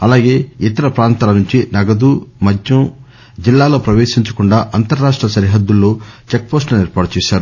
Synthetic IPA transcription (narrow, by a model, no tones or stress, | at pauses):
ɐlaːɡe̞ːit̪ɐɾɐpɾaːnt̪aːlɐnuɲt͡ʃinɐɡɐd̪uːmɐd͡ʒʱjɐm | d͡ʒilːaːlo̞ːpɾɐʋeːʂiɲt͡ʃɐ̥kuɳɖaːʔɐnt̪ɐɾːaːʂʈɾɐʃɐɾiɦɐd̪ːulːo̞ːt͡ʃek̚po̞ːsʈlɐniɾpaːɽɐt͡ʃɛːʃaːɾu